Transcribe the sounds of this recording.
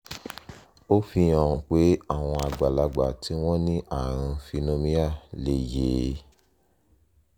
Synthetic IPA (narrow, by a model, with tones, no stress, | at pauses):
o˦fi˧j̃ã˨ũ˨k͡pe˨˦a˦˨w̃ɔ̃˧a˨ɡ͡ba˨la˨˧ɡ͡ba˨tʰi˨˦w̃ɔ̃˦nĩ˦ʔa˦˨ɾ̃ã˧fi˧nõ˦mĩ˦a˦˨le˨je˨˦